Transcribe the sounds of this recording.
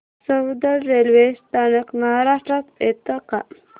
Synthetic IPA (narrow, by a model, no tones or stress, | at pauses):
səwd̪əɾːelʋesʈ̪ʰanəkməɦaɾaʂʈɾat̪ḛt̪əka